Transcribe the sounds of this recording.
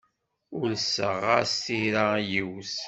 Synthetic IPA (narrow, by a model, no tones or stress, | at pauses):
ʊlsəʁa̰st̪iɾajiws